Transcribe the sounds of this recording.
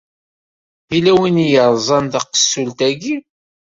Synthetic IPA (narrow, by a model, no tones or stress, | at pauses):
ðilæwinjəɾˤzˤɑnd̪ɑqə̥sːult̪æɡi